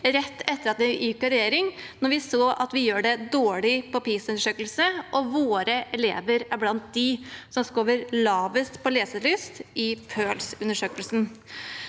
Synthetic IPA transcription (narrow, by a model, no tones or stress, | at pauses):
ɾɛt̪ːɛt̪ːəɾɑt̪ʋ̪ɪjɪːkːɑɾɛjeːɾɪŋnɔɾʋɪsoːʔɑt̪ʋɪjøːɖɛd̪oːɭɪpʰɔpiːsʉnəʂøːkəlsəʔɔʋoːɾəʔɛlḛːʋəɾæɾblɑnt̪̚d̪ɪsɔmskoːʋəɾlɑːʋəst̪pʰɔleːsəlʏst̪ɪpʰøːlsʉnːəʂøːkəlsn